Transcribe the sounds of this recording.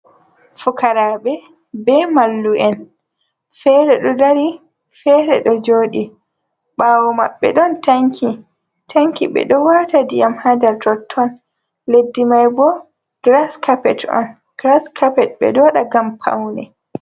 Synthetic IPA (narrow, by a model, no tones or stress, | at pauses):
fukaɾaɓɛ | bɛmalːuʔɛn | fɛɾɛɗɔdaɾi | fɛɾɛɗɔd͡ʒoːɗi | ɓaːwɔma̰ɓːɛ̰ɗɔntaŋkʰi | tʰaŋkiɓɛ̰ɗɔwatadijamhadɛɾtɔtʰːɔn | ledːimajbɔ | ɡ̥ɾaskʰapɛtɔ̰n | ɡ̥ɾaskʰapɛt̚bɛ̰ɗɔɗaɡampʰa̰wnɛ